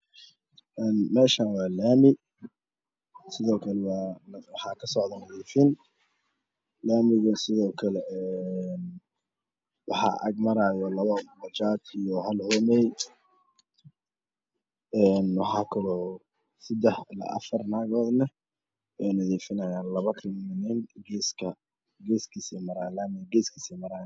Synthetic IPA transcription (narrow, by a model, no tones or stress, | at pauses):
ʔɛːnmɛːʃaːnwɑːlaːmɪ | sɪðɔːkʰɐlɛwɑːwɑħɑːkʰɐsɔʕd̪ɐnɐðiːfɪn | laːmɪɣɐsɪðɔːkʰɐlɛʔɛn | wɑħɑ̰ʔɐ̰ɡmɐɾaːjɔlɐβɐmɐt͡ʃaːt̪ʰijɔɦɐlhɔmɛj | ɛːnwɑħɑːkʰɐlɔː | sɪd̪ɛħlɐ̰ʔɐ̰fɐrnaːɣɔːd̪nɐ | wɛjnɐðɛːfɪnɐjaːnlɐβɐkʰɪmmɪnɪnɡɛskʰɐ | ɡɛːskʰisɛmɐɾaːlaːmɪɡɛːskʰiːsɛmɐɾaː